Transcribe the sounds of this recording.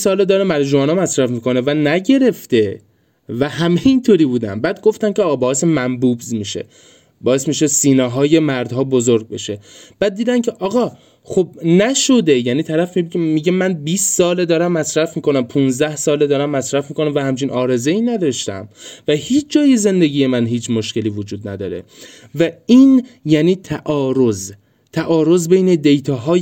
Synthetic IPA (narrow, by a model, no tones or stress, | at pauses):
sɒːled̪ɒːɾæmæɾd͡ʒoɒːnɒːmæsɾæfmiːko̞nevænæɟe̞ɾe̞ft̪e̞ | væhæmeint̪ʰoːɾiːbuːd̪æ̰mbæːd̪̚ɡo̞ft̪æmcʰeɒːɣɑːbɒːesemæmbuːbzmiʃḛ | bɒːe̞smiːʃesiːneɦɒːje̞mæɾd̪hɒːbo̞zoɾɡ̚be̞ʃe̞b̥æːd̪̚ːiːd̪æmcʰe̞ʔɒːɣɒ | xobnæʃo̞d̪e̞jæniːt̪ʰæɾæfmibmiɟemænbiːssɒːled̪ɒːɾæmːæsɾæfmiːko̞næmpʰũnzd̪æhsɒːled̪ɒːɾæmːæsɾæfmiːkʰo̞næmvæhæmt͡ʃʰinʔɒːɾe̞zeiːnæd̪ɒʃt̪æ̰mvæhiːt͡ʃʰd͡ʒɒːjeze̞nd̪e̞ɟʲiːje̞mænɦiːt͡ʃʰmoʃce̞liːvod͡ʒuːd̪næd̪ɒːɾe̞̰ | væiːnjæniːt̪ʰæʔɒːɾoz | t̪ʰæʔɒːɾo̞zbe̞jned̪e̞jt̪ʰɒːɦɒː